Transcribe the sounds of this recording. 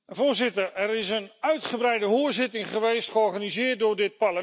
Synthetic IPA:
voːɹzɪtərɛɾɪsənœɥtχəbɾɛjdəɦʊːəɹzɪtɪŋχəʋejstχəɔɹχanizɪːət̚dʊɹdɪt̚parlə

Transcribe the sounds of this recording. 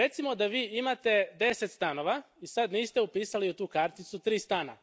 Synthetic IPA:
ɾe̞t̪simo̞d̪aʋiːimat̪e̞d̪e̞set̪st̪ano̞ʋa | isad̪niːst̪e̞upiːsaliut̪uːkaɾt̪it̪sut̪ɾiːst̪ana̰

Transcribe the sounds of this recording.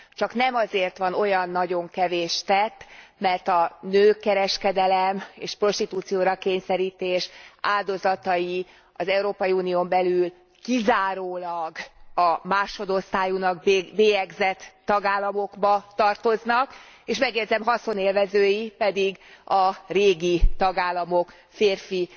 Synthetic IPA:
t͡ʃɒknɛmɒzeːrt̪ʋɒno̞jɒnːɒɟo̞ŋkɛveːʃt̪ɛt̪ːmɛrt̪ɒnøːkɛɾɛʃkɛd̪ɛlɛmeːʃpro̞ʃt̪it̪uːt̪sijoːɾɒkeːɲsɛɾiːt̪eːʃaːld̪o̞zɒt̪ɒji | ɒzɛuɾoːpɒjiuːnioːmbɛlyl | kizaːɾoːlɒɡɒmaːʃo̞d̪o̞st̪aːjunɒɡbeːjɛɡzɛt̪ːɒɡaːlːɒmo̞ɡbɒt̪ɒrt̪o̞znɒkeʃmɛɡjɛdzɛmɦɒso̞neːlvɛzøːjipɛd̪iɡɒreːɡit̪ɒɡaːlːɒmo̞k | feːrfi

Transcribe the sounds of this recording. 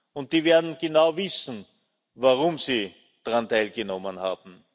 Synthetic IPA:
ʊnt̚d̥iːveːɐdn̩ɡ̥ənaʊvɪsn̩ | vaʁʊmsi | d̥ʁantʰaɪlɡənɔmənha̰ːb̥m̩

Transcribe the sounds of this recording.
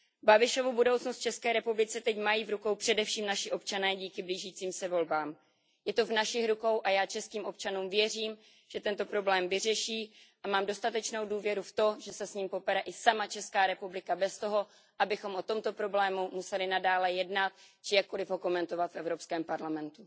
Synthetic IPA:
babɪʃo̞vubudowt͡snost̪̚t͡ʃɛskɛːɾɛpublɪt͡sɛt̪ɛcmajiːvɾuko̞wpr̥ɛdɛfʃiːmnaʃɪʔo̞p̚t͡ʃanɛːɟiːkɪbliːʒiːt͡siːmsɛvo̞lbaːm | jɛt̪o̞vnaʃɪxɾuko̞wʔajaːt͡ʃɛskiːmʔo̞pt͡ʃanuːmvjɛr̝iːm | ʒ̥ɛt̪ɛnt̪o̞pɾo̞blɛːmvɪrɛʃiːʔamaːmdo̞st̪at̪ɛt͡ʃno̞wduːvjɛɾuft̪o̞ʒɛsɛsɲiːmpo̞pɛɾɛʔɪsamat͡ʃɛskaːɾɛpublɪkabɛst̪o̞ɦo̞ | ʔabɪxo̞mʔo̞t̪o̞mt̪o̞pɾo̞blɛːmumusɛlɪnadaːlɛjɛdnat̪̚t͡ʃɪjakːo̞lɪvɦo̞ko̞mɛnt̪o̞vat̪fʔɛvɾo̞pskɛːmpaɾlamɛnt̪u

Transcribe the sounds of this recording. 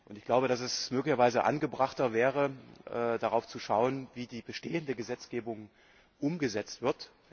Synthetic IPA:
ʔʊntɪçɡ̥laʊbəɾasɛsmøːklɪçɐvaɪzəʔa̰nɡəbʁaχtɐvɛːʁ̞əʔɛːd̥aʁaʊft͡suʃaʊənviːdiːbəʃteːəndəɡəzɛt͡sɡ̥eːbʊŋ | ʔʊmɡəzɛt͡stv̥ɪɐt

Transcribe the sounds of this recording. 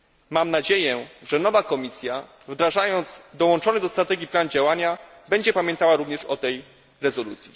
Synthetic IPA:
mamnad͡ʑejɛʐɛnɔvakɔmʲisʲja | vd̪ɾaʐajɔnd̪zd̪ɔwɔnt͡ʂɔnɘd̪ɔst̪ɾat̪ɛɡʲiplanud͡ʑawaɲa | bɛɲd͡ʑɛpamʲjɛ̃nt̪awaɾuvɲɛʂɔt̪ɛj | ɾɛzɔlṵt̪sʲji

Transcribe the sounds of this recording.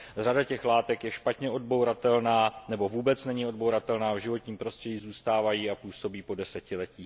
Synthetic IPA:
r̝adacɛxlaːt̪ɛkjɛʃpat̪ɲɛʔo̞d̚bowɾat̪ɛlnaːnɛbo̞vuːbɛt͡snɛɲɪo̞d̚bowɾat̪ɛlnaːvʒɪvo̞t̪ɲiːmpɾo̞st̪r̥ɛɟiːzuːst̪aːvajiːapuːso̞biːpo̞dɛsɛcɪlɛciː

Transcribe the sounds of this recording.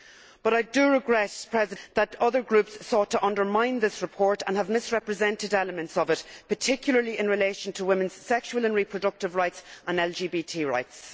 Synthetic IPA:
b̥ʌɾaɪdəɹɪɡɹɛtpʰɹ̥ɛzɪðəɾʌðə˞ɡɹʉpsːɔtʰəʔʌ̃ndə˞mãɪ̃nðɪsɹɨpʰɔɹɾə̃nəvmɪsɹɛpɹɨzɛ̃ntɪdɛləmə̃ntsəvɪtpʰə˞tʰɪkʰjʊl̩ˠə˞liʔɪ̃nɹɪleɪʃə̃ntʰəwɪ̃mə̃nz̥sɛkʃuəlˠə̃nɹipʰɹ̥ədʌk̚tɨvɹaɪtsə̃nɛlˠd͡ʒiːbitʰiɹa̰ɪts

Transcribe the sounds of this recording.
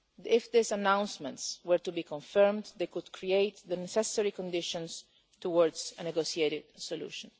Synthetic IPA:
ɪfðɪsanãw̃nsmɛ̃ntswəɹt̪ubikɔ̃ɱfɛɹmd̪d̪ekud̪kʰɹieɪt̪ðənɛsɛsɛɹikɔ̃nd̪ɪʃɔ̃ns | t̪uwɔɹdzənɛɡosieɾɪd̪sɔlṵʃɔ̃n

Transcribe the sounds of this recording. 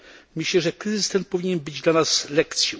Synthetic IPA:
mɘɕlɛʐɛkɾɘzɨst̪ɛnt̪̚pɔvʲiɲɛnbɘd͡ʑd̪lanaslɛkt̪sʲji

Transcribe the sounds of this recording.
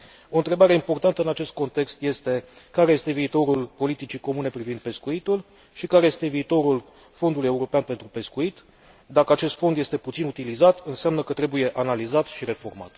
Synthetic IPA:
o̞ɨnt̪ɾe̞baɾe̞impo̞rt̪ant̪əɨnat͡ʃe̞st̪̚ko̞nt̪e̞kst̪je̞st̪e̞kaɾeje̞st̪e̞viːt̪o̞ɾulpo̞lit̪it͡ʃiko̞mune̞pɾivind̪̚pe̞skuit̪ul | ʃikaɾe̞je̞st̪e̞viːt̪o̞ɾul | fo̞nd̪uluje̞uɾo̞peanpe̞nt̪ɾupe̞skuit̪ | d̪akəat͡ʃe̞st̪fo̞nd̪je̞st̪e̞put̪sinut̪ilizat̪ɨnseamnəkət̪ɾe̞buje̞ʔanalizat̪ʃiɾe̞fo̞rma̰t̪

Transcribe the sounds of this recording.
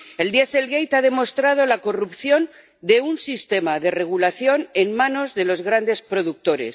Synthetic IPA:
e̞ld̪jese̞lɣejt̪aðe̞mo̞st̪ɾað̞o̞lako̞rupθjo̞n | d̪e̞unsist̪e̞maðe̞re̞ɣ̞ulaθjo̞ne̞nmãno̞zðe̞lo̞zɣɾand̪e̞spɾo̞ðuk̚t̪o̞ɾe̞̰s

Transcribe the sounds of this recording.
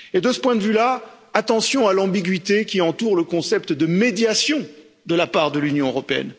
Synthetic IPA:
ed̪əsə̥pwɛ̃d̪əvyla | at̪ɑ̃sjɔ̃alɑ̃biɡɥit̪ekʲiɑ̃t̪uʁləkɔ̃sɛp̚t̪d̪əmed̪jasjɔ̃ | d̪əlapaʁd̪əlynjɔ̃øʁɔpeɛ̰n

